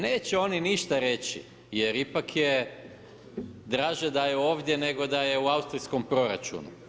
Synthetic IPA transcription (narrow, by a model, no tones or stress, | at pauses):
neːt͡ɕeo̞niniʃt̪aɾe̞t͡ɕḭ | je̞ɾipakʰje̞ | d̪ɾaːʒed̪ajeo̞ːʋd̪je̞ne̞ɡo̞d̪aje̞uaust̪ɾisko̞mpɾo̞ɾa̰t͡ʃṵnṵ